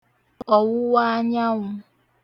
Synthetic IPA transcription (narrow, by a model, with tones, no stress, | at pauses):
ɔ˨wʊ˦wa˦ɲa˦ŋʊ˦